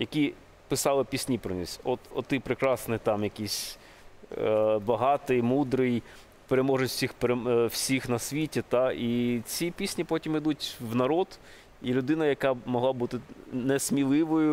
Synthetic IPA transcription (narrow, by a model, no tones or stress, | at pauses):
jɐkʲi | pɪsɑlˠɪpʲisʲnʲipɾɔnʲḭsʲɔt̪ɔ̰t̪ɪpɾɪkɾɑsnɪt̪ɑmjɐkʲisʲ | bɐɦɑt̪ɪjmud̪ɾɪj | peɾemɔʒɐtʲsʲixpeɾew̥sʲixnɐsʲʋʲitʲit̪ɑit͡sʲipʲisʲnʲipɔtʲimɪd̪utʲwnɐɾɔd̪ | ilʲʊd̪ɪnɐjɐkɑmɔɦlˠɑbut̪ɪnɛsʲmʲilˠɪʋɔjʊ